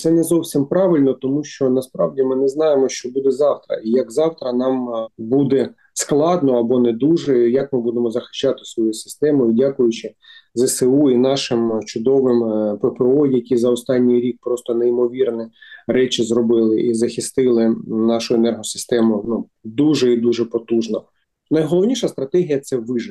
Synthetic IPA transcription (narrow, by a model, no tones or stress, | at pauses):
t̪sɛnɛzɔwsʲimpɾɑʋɪlʲnɔt̪ɔmuʃt͡ʃɔnɐspɾɑwdʲimɪnɛznɑjemɔʃt͡ʃɔbud̪ɛzɑwt̪ɾɐ̰ijɐkzɑwt̪ɾɐnɑmbud̪ɛ | sklˠɑd̪nɔɐbɔnɛd̪uʒɛjɐkmɪbud̪emɔzɐxɪ̥ʃt͡ʃɑt̪ɪ̥sʋɔjusɪ̥st̪ɛmʊidʲakʊjʊt͡ʃɪzɛseuinɑʃɪmt͡ʃʊd̪ɔʋɪmpɛpeɔjɐkʲizɐɔst̪ɑnʲːijɾʲik̚pɾɔst̪ɔneimɔʋʲirnɛɾɛt͡ʃɪzɾɔbɪlˠɪʔizɐxʲɪst̪ɪlˠɪnɑʃʊenɛrɦɔsɪ̥st̪ɛmʊnu | d̪uʒɛid̪uʒɛpɔt̪uʒnɔ | nɐjɦɔlˠɔʋnʲiʃɐst̪ɾɐt̪ɛɦʲijɐt̪sɛʋɪʒɪ